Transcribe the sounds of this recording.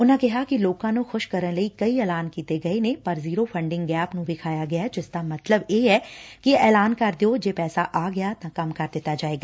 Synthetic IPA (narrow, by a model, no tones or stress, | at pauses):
ʊnɦãkɛɦakiloːkãnõxʊʃkɐɾənlɐikɐiɛːlaːnkiːt̪eɡɐenẽpɐɾziːɾofʰɐ̃ɳɖɪ̃ŋɡɡɛːpnũbʱɪkʰaːjaɡɐjaɦɛd͡ʒɪst̪amɐt̪ləbjeːɦɛkiɛːlaːnkɐɾd̪ejod͡ʒeːpɛːsaʔaːɡɐjat̪ãkɐmkɐɾd̪ɪt̪ad͡ʒaːeːɡaː